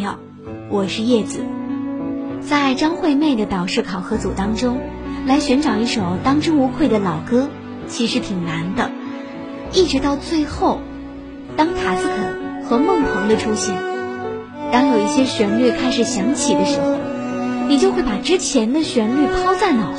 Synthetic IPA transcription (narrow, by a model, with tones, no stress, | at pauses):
jɑ˥˩ʊ | wʔɔ˨˩ʂɻ̩˥˧jɛ˥˩d͡zɹ̩˨˩˦ | t͡sa˥˩ɪʈ͡ʂɑ˥ŋxwe˥˧ɪme˥˩ɪd̪ə˩t̪ɑ˨˩ʊʂɻ̩˥˩kʰɑ˨˩ʊxɤ˧˥t͡su˨˩t̪ɑ˥ŋʈ͡ʂʊ˥ŋ | la˧˥ɪɕɥɛ˧˥nʈ͡ʂɑ˨˩ʊi˥˩ʂo˨˩ʊt̪ɑ˥ŋʈ͡ʂʊ˥ŋu˧˥kʰwe˥˩ɪd̪ə˩lɑ˨˩ʊkɤ˥ | t͡ɕʰi˧˥ʂɻ̩˧˥t̪ʰi˨˩ŋna˧˥nd̪ə˧ | i˥˩ʈ͡ʂɻ̩˧˥t̪ɑ˥˧ʊt͡swe˥˧ɪxo˥˩ʊ | t̪ɑ˥ŋt̪ʰa˧˥sɹ̩˥˧kʰɤ˨˩˦xɤ˧˥mɤ˥˩ŋp̪ʰɤ˧˥ŋd̪ə˧ʈ͡ʂʰu˥ɕɛ˥˩n | t̪ɑ˥ŋjo˨˩i˥˩ɕjɛ˥ɕɥɛ˧˥nly˥˩kʰa˥ɪʂɻ̩˨˩ɕjɑ˧˥ŋt͡ɕʰi˨˩d̪ə˦ʂɻ̩˧˥xo˥˩ʊ | ni˨˩t͡ɕjo˥˧xwe˥˩pa˨˩ʈ͡ʂɻ̩˥t͡ɕʰjɛ˧˥nd̪ə˧ɕɥɛ˧˥nly˥˩pʰɑ˥ʊt͡sa˥˩ɪnɑ˨˩ʊ